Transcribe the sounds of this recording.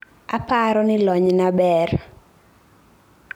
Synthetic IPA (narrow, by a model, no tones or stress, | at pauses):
apaɾɔnɪlɔɲnabɛr